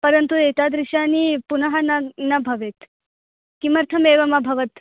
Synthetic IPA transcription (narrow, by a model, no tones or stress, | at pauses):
pɐɾɐnt̪ueːt̪ad̪ɾɪʂaniːpunɐɦɐnɐnɐbʱɐʋet̪ | kimɐɾt̪ʰɐmeːʋɐmɐbʱɐʋɐt̪